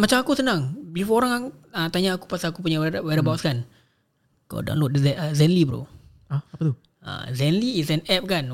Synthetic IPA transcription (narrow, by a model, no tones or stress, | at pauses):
mat͡ʃamakusənaŋbifɔɾaŋaŋət̪aɲaːku̥pasaakup̬uɲawwɛɾəbawʔskan | ka̰wda̰nlot̪̚dəɛəzɛnlibəɾo̰ | aapət̪u | a̰zɛnliisɛnɛp̚kan